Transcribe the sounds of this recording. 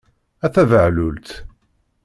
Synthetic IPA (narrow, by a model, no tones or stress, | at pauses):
æθævəʕlʊlt̪